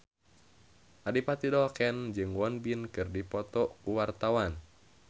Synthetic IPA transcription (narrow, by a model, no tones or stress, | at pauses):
ʔadipat̪idɔkɛnd͡ʒɨŋwɔnbinkɨrdipɔt̪ɔkuwart̪awan